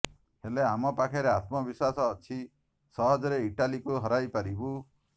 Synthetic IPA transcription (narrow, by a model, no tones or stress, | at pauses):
heleamɔpakʰeɾeat̪mɔbiswasɔːt͡ʃʰi | sɔɦɔd͡ʒɔɾeiʈalikuɦɔɾajpaɾibu